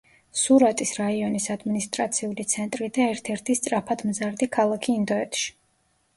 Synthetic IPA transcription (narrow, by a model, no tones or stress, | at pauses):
suɾat̪ʼisɾaiɔnisad̪minist̪ʼɾat̪sʰiulit̪sʰɛnt̪ʼɾid̪aɛɾt̪ʰɛɾt̪ʰist̪sʼɾapʰad̪mzaɾd̪ikʰalˠakʰiːnd̪ɔɛt̪ʰʼʃi̥